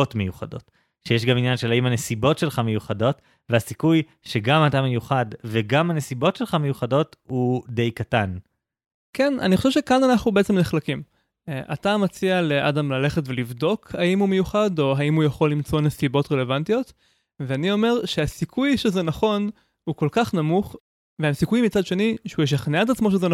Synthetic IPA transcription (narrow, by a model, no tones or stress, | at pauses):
otmejuχa̰do̞̰t | ʃejeʃ̬ɡaminjanʃelaimane̞sibo̞tʃe̞lχame̞juχado̞t | vehasikuj | ʃeɡamatamejuχadveɡamhanesibo̞tʃelχamejuχado̞thudejkatan | kena̰nixχo̞ʃevʃekananaχnubeet͡se̞mneχlakim | ʔa̰tamat͡sialeʔadamlale̞χetvelivdo̞khaimhume̞juχado̞ɦaimhujaχo̞lːimt͡so̞nesibo̞tʁele̞vantijo̞t | veanio̞me̞ʁʃeasikʰujʃezenaχo̞n | huko̞lkaχnamuχ | veemsikujmit͡sadʃe̞niʃeujeʃ̬aχneat̪̬at͡smo̞ʃ̬ezena